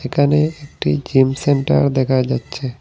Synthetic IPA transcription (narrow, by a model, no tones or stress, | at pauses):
ekaneek̚ʈid͡ʒimseɳʈə̰ɾd̪ekʰad͡ʒatːt͡ʃʰe